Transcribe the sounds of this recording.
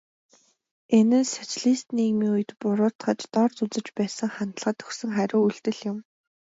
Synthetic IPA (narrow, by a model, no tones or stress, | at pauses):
enɘ̆nsat͡ɕɮiːst̪niːɣmiːŋujɘ̆t̪pʊɾʊːt̪χə̆t͡ɕt̪ɔrt͡sʊt͡sə̆t͡ɕpæːsə̆ŋχan̥t̪ə̆ɮʁə̆t̪ʰɵ̥xsɵ̆ŋχæɾʲʊːuɮt̪ɘ̆ɮjʊ̆m